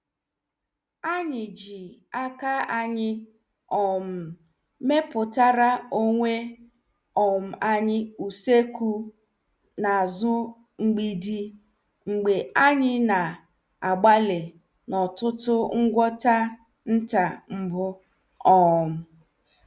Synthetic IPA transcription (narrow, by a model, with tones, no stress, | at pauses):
a˦ɲɪ˨d͡ʒi˨a˦ka˦a˦ɲɪ˦ | ɔ˨m̩˨ | me˦pʊ˨ta˦ɾa˦o˦ŋʷe˦ | ɔ˨m̩˨a˦ɲɪ˦u˨se˦ku˦ | na˨zʊ˦ | ŋ͡m̩˨ɡ͡bi˦di˦ | ŋ͡m̩˨ɡ͡be˨a˦ɲɪ˦na˨ | a˨ɡ͡ba˦le˨ | nɔ˨tʊ˦tʊ˦ŋ̩˦ɡʷɔ˦ta˦ | n̩˦ta˨ŋ͡m̩˨bʊ˦ | ɔ˨m̩˨